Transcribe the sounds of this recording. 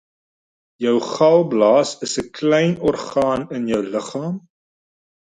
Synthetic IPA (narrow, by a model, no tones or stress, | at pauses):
jœwχɐlˠblɑːsəsəklɛjnɔrχɑːnənjœwləχɑːm